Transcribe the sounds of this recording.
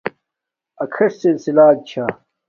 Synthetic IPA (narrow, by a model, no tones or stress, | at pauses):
ɐkʰɐʂsilsilaːt̪̚t͡ɕʰa